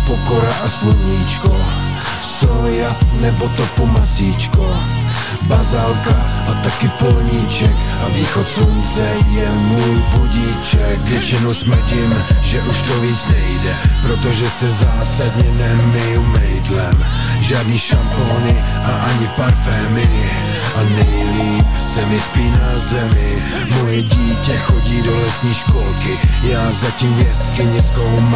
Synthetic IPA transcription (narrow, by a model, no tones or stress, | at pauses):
pokoɾaʔaslovɲiːt͡ʃko | soljanɛbot̪ofomasiːt͡ʃko | bazalkaʔat̪akɪpolɲiːt͡ʃɛkaviːxot̪sluɲt͡sɛjɛmujbuɟiːt͡ʃɛkvjɛt͡ʃɪnowsmr̩ɟɪmʒɛʔuʃt̪oviːt͡snɛjdɛpɾot̪oʒɛsɛzaːsad̪ɲɛnɛmɪjumɛjd̪lɛm | ʒaːd̪niːʃamponɪ | ʔaʔaɲɪpaɾfɛːmɪ | ʔanɛjliːpsɛnɛspiːnazɛmɪ | mojɛɟiːcɛxoɟiːdolɛsɲiːʃkolkɪjaːzaciːmɲɛskɪɲɛskowm